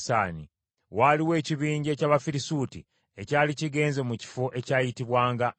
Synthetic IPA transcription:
saːni | waliwe̞ːciβiːɲɟe̞caːβafiɾisuːti | e̞caːliciɡe̞ːnze̞muci̥fo̞ʔe̞caːjitiβwaːŋɡa

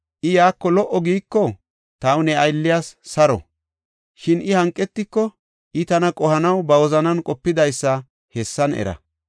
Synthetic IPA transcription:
ʔɪjaːkːɔlɔʔɔɡiːkːɔ | t̪ɐwnɛɐjlːɪjaːsːɐɾɔ̰ | ʃɪnʔɪhɐŋkʼːɛt̪ːɪkːɔ | ʔɪt̪ɐnɐkʼɔhɐnɐwbɐwɔzɐnɐnkʼɔpːɪd̪ɐjsːɐ | hɛsːɐnɛ̰ɾɐ̰

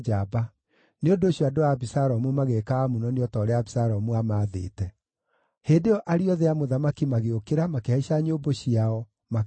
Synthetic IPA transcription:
d͡ʒaba | neondoːɕjɔadoaβisaɾɔmumaɣekaːmunɔneɔtaːɾeaβisaɾɔmuamaðḛːtɛ | heːdeɔʔaɾiɔðeamoðamakimaɣeokeɾamakeaiɕaɲoːboɕiaɔ | ma

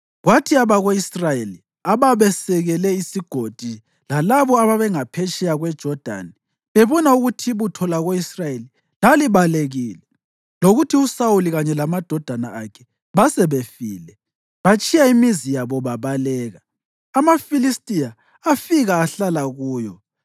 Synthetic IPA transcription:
ɣwatʰiaβaɣoisrajeli | aβaβɛsɛɣɛlɛisiɡ̥ʱod̥ʱi | lalaβɔaβaβɛŋapʰɛt͡ʃʼɛjaɣwɛd̥ʒ̥ʱɔd̥ʱa̰ni | βeβɔnauɣutʰiβutʰɔlaɣoisrajeli | laliβaleɣiːlɛ | loɣutʰiusawuliɣaɲɛlamad̥ʱɔd̥ʱanaakʰɛ̥ | βasɛβefiːlɛ | βat͡ʃʼijaimizijaβɔβaβalɛːɣaː | mafilistʼijaː | fiɣaːɬalaɣuːjɔ

